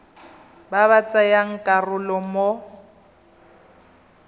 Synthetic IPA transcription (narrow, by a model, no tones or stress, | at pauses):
baβat͡sʼajaŋ̩kʼarʊlɔmo